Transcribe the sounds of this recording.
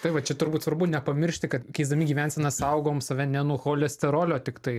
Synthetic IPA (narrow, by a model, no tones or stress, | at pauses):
t̪ɐɪʋɐt͡ʃʲɛt̪ʊɾbuːt̪sʋɐɾbʊnʲɛpɐmʲɪɾʲʃʲt̪ʲɪkɐt̪kʲɐɪizd̪ɐmʲiɡʲiːʋʲɛnʲsʲɛnɐsɐʊɡoːmsɐʋʲɛnʲɛnuːxoːlʲɛsʲt̪ʲɛɾoːlʲoːt̪ʲɪkt̪ɐɪ